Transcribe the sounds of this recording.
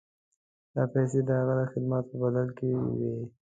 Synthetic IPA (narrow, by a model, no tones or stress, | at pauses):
d̪̥ɑpɛs̬ed̪əhaɣad̪əxɪd̪mat̪̚pəbad̪alkewi